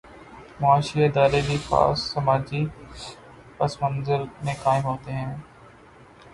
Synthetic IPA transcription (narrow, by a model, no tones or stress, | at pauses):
mʊaːʃiɪd̪aːɾelifa̰ːsːɐmaːd͡ʒi | pɐsmə̃nzəɾmẽkaːɪmɦoːt̪eɦɛ̃ː